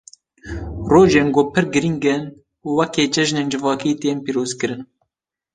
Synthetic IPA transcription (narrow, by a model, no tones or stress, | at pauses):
roːʒeːnɡoːpʰɨɾɡɨɾiŋɡen | uwɛkeːt͡ʃɛʒneːnd͡ʒɨvɑːkiːt̪eːnpiːɾoːzkɨɾɨn